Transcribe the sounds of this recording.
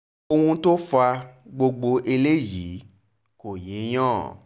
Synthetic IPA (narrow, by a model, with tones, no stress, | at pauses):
o˧hũ˧to˦fa˧ɡ͡bo˧ɡ͡bo˧ʔe˧le˦˨ji˨˦ | ko˨je˨˦j̃ɔ̃ː˦˨